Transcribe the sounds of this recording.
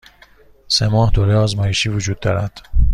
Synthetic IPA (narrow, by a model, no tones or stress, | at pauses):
semɒːhd̪oːɾeɒːzmɒːjeʃiːvod͡ʒuːd̪̚ːɒːɾæd̪̥